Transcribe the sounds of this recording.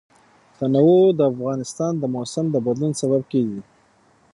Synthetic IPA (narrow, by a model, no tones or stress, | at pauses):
t̪anawod̪əafɣɑnɪst̪ɑnd̪əmosamd̪əbad̪lunsaβab̚keɡi